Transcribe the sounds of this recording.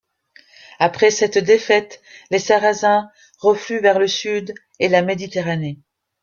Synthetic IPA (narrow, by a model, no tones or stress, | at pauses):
apχɛsɛt̪d̪efɛt̪lesaʁazɛ̃ | ʁəflyvɛʁləsyd̪ | elamed̪it̪eʁane